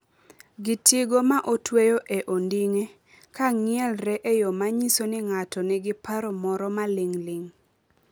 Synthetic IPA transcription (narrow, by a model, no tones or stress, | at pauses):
ɡɪtiɡomaʔotwejoʔeʔondiŋe | kaŋɪɛlɾɛʔejomaɲisonɪŋatɔnɪɡɪpaɾɔmɔɾɔmalɪŋlɪŋ